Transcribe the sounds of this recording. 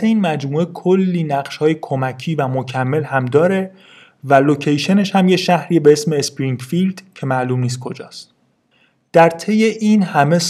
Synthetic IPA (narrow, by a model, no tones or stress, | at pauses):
eiːnmæd͡ʒmuːe̞kʰolːiːnæɢʃhɒːje̞kʰo̞mæcʰiːvæmocʰæmːe̞lhæmd̪ɒːɾe̞ | vælocʰejʃe̞ne̞ʃhæmjeʃæhɾiːebeesme̞ːspɾiŋɟfild̪̥cʰe̞mæʔluːmniːs̬t̪̚kʰo̞d͡ʒɒːst̪ | d̪̥æɾt̪ʰe̞je̞ʔiːnhæme̞s